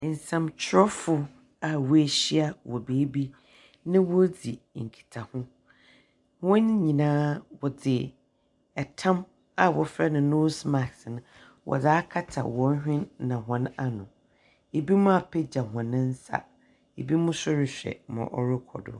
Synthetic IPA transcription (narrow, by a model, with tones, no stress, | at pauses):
n̩˨sã˨mt͡ɕʰɪ˦ɾɔ˦fʊ˦ | a˨wɔ˨e˨ɕi˦a˦wɔ˨beː˨˦bi˦ | nɪ̃˦wɔ˦d͡zi˨ | ŋ̩˨kʰi̥˨tʰa˨hʊ̃˦ | hʊ̃˦nɲĩ˨nãː˦wɔ˨d͡zɪ˨ | ɛ˨tʰã˦m | a˨wɔ˨fɾɛ˦nʊ̃˨no˦sma˨ksnʊ̃˨ | wʔɔ̰˨d͡zaː˦kʰa˦tʰa̰˨wɔ˨˦hᶣɪ̃˦nːã˨ɦɔ̃˨na˨nʊ̃˨ | e˨bi˦mʊ̃˦a˨pʰɛ˦d͡ʑa˨hɔ̃˨nɪ̃˦n̩˦sa̰˦ | e˨bi˦mʊ̃˦sʊ˦ɾɪ˨ɕᶣɛ̰˨mã̰˨ʔɔ˨ɾʊ˦kʰɔ̰˨dʊ̰˨